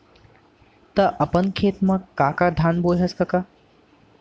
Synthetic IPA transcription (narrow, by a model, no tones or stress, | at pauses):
t̪ɐʔɐpənkʰeːt̪mãkaːkad̪ʱaːnboːjɦɐskɐkaː